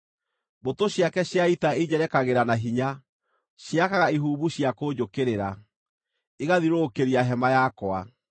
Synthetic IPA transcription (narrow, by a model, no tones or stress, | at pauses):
botoɕjakɛɕjaitaeid͡ʑɛɾɛkaɣeɾanaɦiɲa | ɕjakaɣaiɦuːβuɕjakod͡ʑokeɾeɾa | iɣaðiɾokeɾiaɦɛmajakwa